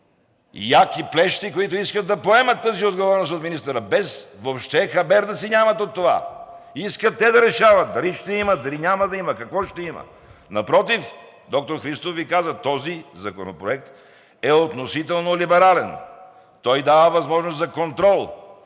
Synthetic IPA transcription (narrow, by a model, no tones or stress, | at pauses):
jakiplɛʃt̪ikoit̪ʊiskət̪ːɐpoɛmɐt̪ːəziod̪ɡovɔɾɛnost̪ot̪minist̪əɾəbɛsvopʃt̪ɛxɐbɛɾd̪ɐsinʲamɐt̪ot̪ːova̰ | iskət̪ːɛd̪ɐɾɛʃavɐt̪̚d̪ɐliʃt̪ɛiməd̪ɐlinʲamɐd̪ɐiməkɐkvɔʃt̪ɛimə̰ | nɐpɾɔt̪̬if | d̪ɔk̚t̪oɾxɾist̪ofvikazət̪ɔzizɐkono̰pɾoɛk̚t̪ | ɛot̪nosit̪ɛlˠnolibɛɾalɛn | t̪ɔjd̪avəvɐzmɔʒnost̪zɐkont̪ɾɔlˠ